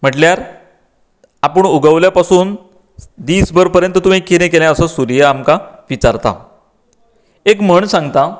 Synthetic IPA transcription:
m̤əʈljaɾ | apəɳuɡəʋljapasuːn | d̪iːsbəɾpəɾjə̃nt̪ət̪um̤ikiɾẽkeljãəsəsuɾjaamkaʋit͡ɕaɾt̪a̰ | ekm̤əɳsãŋɡt̪a

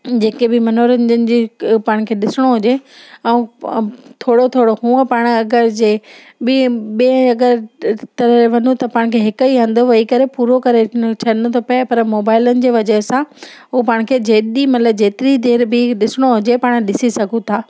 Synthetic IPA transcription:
d͡ʑeːkebɪmɐnoːɾənd͡ʑənɪ̆d͡ʑeːpaːɽ̃kʰeːɗɪsɪɽ̃oɦʊd͡ʑeɛ̃ũː | t̪ʰoːɽot̪ʰoːɽoɦũːə̃paːɽ̃ɐɡəɾd͡ʑeː | bɪɓẽɐɡəɾt̪ɐɾəʋɐnũt̪ɐpaːɽ̃kʰeɦɪkəiɦɐ̃nd̪oʋɐikɐɾepuːɾokɐɾet͡ɕʰɐɗɪnt̪ʰopɐpɐɾmoːbaːɪlənɪ̆d͡ʑeːʋɐd͡ʑəɦsãɦupaːɽ̃̆kʰeːd͡ʑeːɗimɐt̪ləb̚d͡ʑeːt̪ɪɾid̪eːɾbɪɗɪsɪɽ̃oɦʊd͡ʑepaːɽ̃ɗɪsisɐɡʱũt̪ʰaː

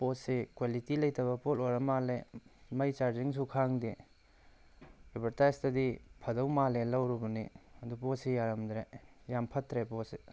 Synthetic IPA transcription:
potsekwalitilɐjtʰɐbɐpolojɾɐmalemɐjt͡ʃaɾziŋs̬ukʰaŋdi | abɐɾtajstɐdipʰɐdɐwmalelɐwɾubuniɐdupot̚sejaɾɐmdɾejampʰɐtɾepose

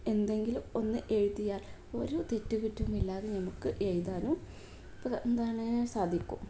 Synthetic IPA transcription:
e̞nd̪e̞ŋɡiluo̞nːɨʔe̞ːɻut̪ːijaːlo̰ːɾo̞ːt̪e̞tːuɣutːuumilːaːɣenɐmukːɨʔejðaːnuː | pɐend̪aːɳɨsaːd̪ʱikʲːṵm

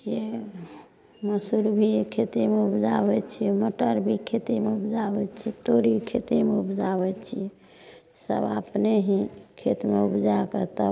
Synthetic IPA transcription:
ie | məsuɾbʱikʰet̪emeupd͡ʒabɛt͡ʃʰijɛməʈəɾbʱikʰet̪emeupd͡ʒabɛt͡ʃʰit̪oɾikʰet̪emeupd͡ʒabɛt͡ʃʰijɛ | sə̰ba̰pneɦĩkʰet̪meupd͡ʒaket̪ə

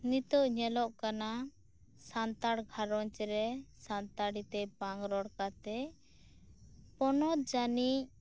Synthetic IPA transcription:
nit̪ɔʔɲɛlɔʔkana | sant̪aɽɡʱaɾɔɲt͡ʃɛɾɛsant̪aɽit̪ɛpaŋɡɾɔɽkat̪ɛ | pɔnɔt̪d͡ʒanic̚

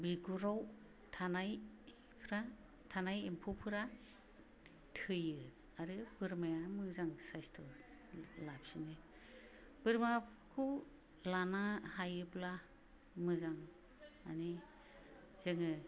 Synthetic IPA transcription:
biɡuɾaw | tʰanaj | pʰɾa | tʰanajempʰuwpʰɯɾa | tʰɯjɯ | aɾɯb̥ɯɾmajamɯzaŋsajstʰɔ | lapsinɯ | b̥ɯɾmaja | kʰɯw | lanahajɯpla | mɯzaŋ | a̰ni | z̥ɯŋɯ

